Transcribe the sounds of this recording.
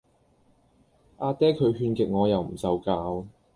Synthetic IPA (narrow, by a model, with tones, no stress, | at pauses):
ʔaː˧t̪ɛː˥kʰɵ˨˧ɥɦyː˧nkɪ˨k̚ŋɔː˨˧jɐ˨˩wm̩˨˩sɐ˨wkaː˧w